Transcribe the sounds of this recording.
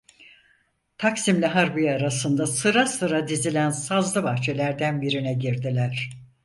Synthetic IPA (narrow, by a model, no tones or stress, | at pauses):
t̪ʰaksimlʲɛɦaɾbijaɾasɯnd̪asɯɾasɯɾad̪izilʲænsazlˠɯbaxt͡ʃʰe̞lʲæɾd̪ænbiɾinɛɟiɾd̪ilʲæɾ̝̥